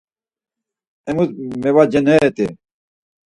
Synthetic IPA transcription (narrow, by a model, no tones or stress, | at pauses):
emut̪mewad͡ʑenet̪e